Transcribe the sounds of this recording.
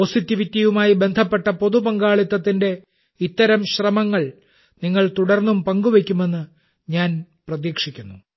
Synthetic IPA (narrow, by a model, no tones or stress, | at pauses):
osit̪ːiʋit̪ːjɐjumaːjibe̞nd̪ʱɐpːe̞ʈːɐpo̞ðupɐŋɡaːɭit̪ːɐt̪ːinde̞ | it̪ːɐɾɐmɕrɐmɐŋːɐɭ | niŋːɐɭt̪uɽɐrnːumpɐŋɡuʋe̞kʲːume̞nːɨ | ɲaːn | prɐðiːkʂikʲːunːu